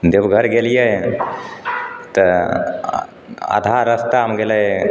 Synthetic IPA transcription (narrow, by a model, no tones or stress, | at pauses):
d̪ebɡʱəɾɡelijə | t̪ə | a̰d̪ʱaɾəst̪amɡele